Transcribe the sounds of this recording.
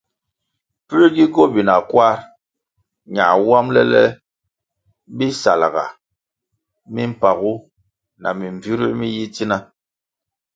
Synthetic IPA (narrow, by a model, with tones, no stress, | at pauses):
pi˦ɾi˦ɡi˦ɡo˦˨bi˨na˨kwa˦ɾ | ɲa̰˨wa˦mlɛ̰˦lɛ˦ | bi˦sa˨la˨ɣa̰˨ | mi˦m̩˦pa˨ɣu˦ | na̰˨mi˨ɱ˨vi˦ɾi˦ʔmi˦ji˦ti˦na˦